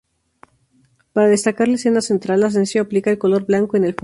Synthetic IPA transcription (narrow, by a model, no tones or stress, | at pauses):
paɾaðe̞st̪akaɾlaesenase̞nt̪ɾalas̬ensjoaplikae̞lko̞lo̞ɾβlaŋkoene̞lf